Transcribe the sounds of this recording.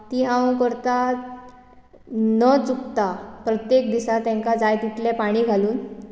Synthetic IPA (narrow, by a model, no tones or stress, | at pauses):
t̪iɦãkəɾt̪a | nət͡sukt̪apɾət̪jek̚d̪isat̪ɛ̃ŋkad͡zajt̪iʈlepaɽ̃iːɡʱaluːn